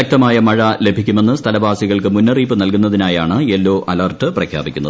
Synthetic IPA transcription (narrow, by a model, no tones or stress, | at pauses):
ɐk̚t̪ɐmaːjɐmɐɻɐle̞bʱikʲːume̞nːɨst̪ʰɐlɐbʱaːsiɣɐɭkɨmunːɐriːpːɨnɐlkunːɐðinaːjaːɳɨelːo̞ːʔʔɐlɐrʈɨprɐkʰja̰ːbikʲːunːɐð